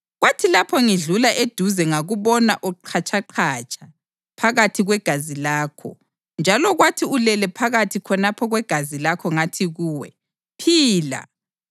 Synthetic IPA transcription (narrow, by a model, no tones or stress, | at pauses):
ɣwatʰilapʰɔŋiɮulaʔed̥ʱuzɛŋaɣuβɔnaʔɔǃʰat͡ʃʰʼaǃʰat͡ʃʰʼa | pʰaɣatʰiɣwɛɡ̥ʱazilaːkʰɔ̰ | nd͡ʒʱalɔɣwatʰiulɛlɛpʰaɣatʰikʰɔnapʰɔɣwɛɡ̥ʱazilakʰɔŋatʰiɣuːwɛ | pʰiːla̰